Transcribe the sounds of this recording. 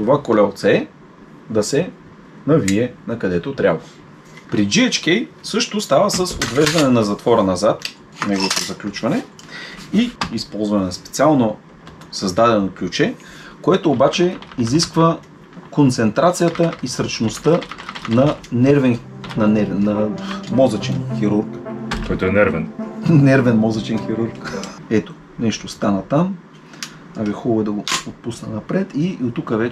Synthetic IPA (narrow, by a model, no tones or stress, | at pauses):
t̪ovakolɛlˠt̪sɛɛ | d̪ɐsɛ | nɐviɛnɐkɐd̪ɛt̪ot̪ɾʲjabvə | pɾid͡ʒiɛt͡ʃkɛjsɤʃt̪ost̪avəsəsot̪vɛʒd̪ɐnɛnɐzɐt̪vɔɾənɐzat̪ | nɛɡovot̪ozɐklʲut͡ʃvɐnɛ | iispɔlˠzvɐnɛnɐspɛt̪sialˠno | sɐzd̪ad̪ɛnoklʲut͡ʃɛ | koɛt̪oːbat͡ʃɛiziskvə | kont̪sɛnt̪ɾat̪sijət̪əisɾət͡ʃnost̪ənɐnɛɾvɛnnɐnɛvɛnːɐmɔzət͡ʃɛnxiɾuɾkkɔjt̪oɛnɛɾvɛnnɛɾvɛnmɔzət͡ʃɛnxiɾuɾkɛt̪o̥ | nɛʃt̪ost̪anət̪am | abixublˠɛd̪ɐɡoot̪̚pusnənɐpɾɛt̪iot̪ːukəvɛ